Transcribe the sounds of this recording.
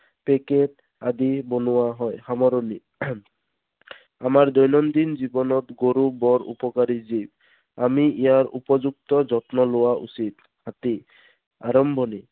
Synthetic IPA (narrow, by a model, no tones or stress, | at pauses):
peket | ad̪ibɔnʊwaɦɔjhamɔɾɔni | amaɹd̪ɔjnɔnd̪ind͡ʒibɔnɔt̪ɡoɾubɔɾṵpɔkaɾizib | amiijaɹṵpɔd͡ʒuk̚t̪ɔd͡ʒɔt̪nɔlowaʔṵsit̪ | hat̪i | aɾɔmbʱɔni